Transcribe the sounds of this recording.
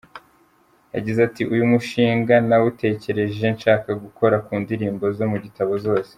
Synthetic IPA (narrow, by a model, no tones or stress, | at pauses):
ja̰ɟizatiʔujumuʃiːŋɡanawute̞ːce̞ɾe̞ʒenʃaːkaɡuko̞ɾakuːndiɾiːmbo̞zo̞muɟitaβo̞zo̞ːse̥